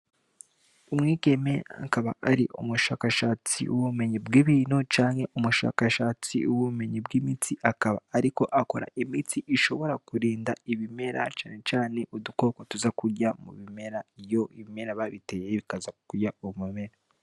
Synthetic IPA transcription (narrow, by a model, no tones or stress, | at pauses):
umŋiːke̞meaa̰kaβa̰ʔaɾḭʔumuʃaːkaʃaːt͡sḭʔṵβume̞ɲibɡiβiːnot͡ʃaːŋhe̞ʔumuʃa̰ːkaʃaːt͡sḭuβuume̞ɲibɡimit͡siʔakaβa̰ːɾiko̞ʔako̞ɾa̰ʔimit͡siʔiʃo̞βo̞ɾakuɾiːndaiβime̞ɾʔa̰t͡ʃaːne̞t͡ʃaːne̞ʔuduko̞ːkotuzakuɾɟamṵβime̞ɾajo̞iβime̞ɾaβaβite̞jeβikazakuɾɟauβumume̞ɾa